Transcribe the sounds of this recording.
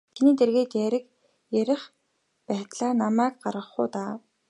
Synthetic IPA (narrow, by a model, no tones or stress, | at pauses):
kʰeniːt̪erɣeːt̪jæɾɘ̆k | jæɾɪ̆χ | pæːt̪ɮaːnamæːkɢaɾʁə̆χʊːt̪aː